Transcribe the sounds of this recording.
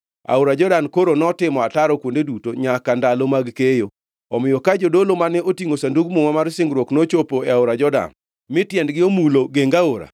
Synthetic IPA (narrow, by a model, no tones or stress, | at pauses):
a̰oɾad͡ʒɔdankoɾonɔtɪmɔataɾɔkwondedutoɲakandalomaɡkejo | ɔmɪjɔkad͡ʒodolomanɛotiŋosanduɡmuŋamarsɪŋɡɾwoknot͡ʃopoeaoɾad͡ʒɔda̰n | mɪtjɛndɡɪomuloɡeŋɡaoɾa̰